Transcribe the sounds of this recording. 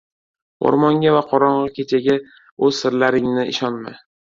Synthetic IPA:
o̰ɾmɒŋɡʲavaqʰɒɾɒɴʁɑkʲʰet͡ʃʰaɡʲa | ɵz̥sɪɾlaɾɪŋnɪɪʃɒnma

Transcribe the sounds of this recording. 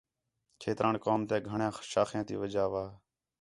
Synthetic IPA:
kʰeːt̪ɾaːɳkoːmt̪ɛːɡʱəɳjãːʃaːxjãːt̪ḭːʋəd͡ʒaːʋaː

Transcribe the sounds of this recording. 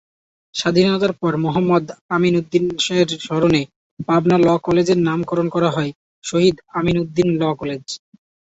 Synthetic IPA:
ʃad̪ʱinɔt̪aɾpɔɾmoɦamːɔd̪aminud̪ːinʃeɾʃɔɾone | pabnalɔkɔled͡ʑeɾnamkɔɾonkɔɾaɦɔe | ʃoɦid̪aminud̪ːinlɔkɔled͡ʑ

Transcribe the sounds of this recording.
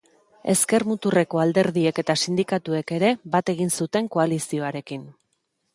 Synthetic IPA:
e̞ske̞ɾmut̪ure̞ko̞ald̪e̞ɾðie̞ke̞t̪asind̪ikat̪ue̞ke̞ɾe̞bat̪e̞ɣinsut̪e̞ŋko̞alisio̞aɾe̞kin

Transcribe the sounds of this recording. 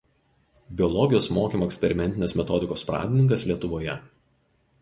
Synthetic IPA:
bʲɪɔlˠɔɡʲɪjoːsmoːkʲiːmoːɛkʲsʲpʲɛɾʲɪmʲɛnʲt̪ʲɪnʲeːsmʲɛt̪ɔd̪ʲɪkoːspɾɑ̰ːd̪ʲɪnʲɪŋk̬ɐslʲiɛt̪ʊʋoːjɛ

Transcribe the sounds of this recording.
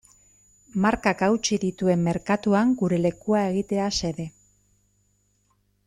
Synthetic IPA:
maɾkakawt͡ʃiðit̪ue̞mːe̞ɾkat̪uaŋɡuɾe̞le̞kuae̞ɣ̞it̪e̞ase̞ðe̞

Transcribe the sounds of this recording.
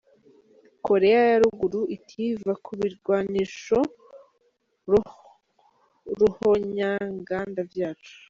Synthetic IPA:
ko̞ɾe̞jajaɾuɡuɾuʔitʰivakʰuβiɾɡwaːniʃo̞ | ɾuhoɲaŋɡaːndavjaːt͡ʃu̥

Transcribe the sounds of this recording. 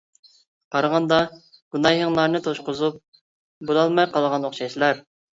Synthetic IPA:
qʰɑɾɑʁɑnd̪ɑ | ɡ̥unɑjɦəŋlˠɑɾnɨt̪ʰoʃqʊzup̚ | bolˠɑlˠmɑjqɑlˠʁɑnoχʃɑʃlˠɑɾ

